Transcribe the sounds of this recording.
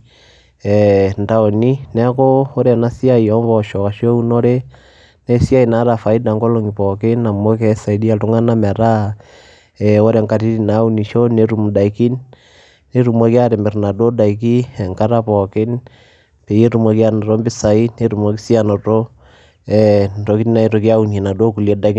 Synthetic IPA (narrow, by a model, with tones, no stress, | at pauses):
ɛnda˨ɔ˨ni˦nɛ˦kɔ˦o˦ɾɛ˨na˦si˦a˦i˨ɔ˦mbɔʃɔ˨ka˨ʃi˦ɔ˦u˦nɔ˦ɾe˦ | nɛ˦si˦a˦i˨na˨˦ɾa˨fa˨i˦da˨ŋɡɔ˦lɔŋi˨pɔke˦na˨mɔ˦kɛ˦sa˨i˨di˦a˨tu˦ŋa˦na˦ma˨ɾa˦ | ɛo˦ɾɛ˨ŋka˨ti˦ɾi˨na˨˦u˦ni˨ʃɔ˦ne˦ɾu˨mu˨da˨i˨ki˦nː | e˦ɾu˨ma˨ki˦a˦ɾɛ˨mbɛ˨ɾna˨do˦da˨i˨k̬i˦ɛ˨ŋka˦ɾa˦pɔ˨ke˦n | pe˨je˦ɾu˨mwa˨ki˦a˦nɔ˨ɾɔ˦mbi˦sa˨i˦ne˦ɾu˨mwa˨ki˦si˦a˨nɔ˨ɾɔ˦ | ɛtɔ˨ki˦ti˦na˨i˨tɔ˨ki˦a˦u˨nie˨na˨do˦ku˨li˨ɛ˦da˨k